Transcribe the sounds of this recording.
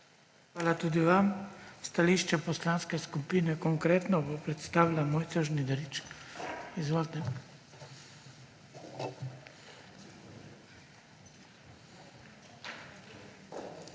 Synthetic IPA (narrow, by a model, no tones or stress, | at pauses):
xxʋaːlat̪ud̪iʋamst̪aliʃt͡ʃɛpɔslanskɛskupiːnɛkɔŋkɾeːt̪nɔbɔpɾɛt̪st̪aːʋlamɔːjt̪sɔʒnid̪ɾit͡ʃkizʋɔlt̪ɛ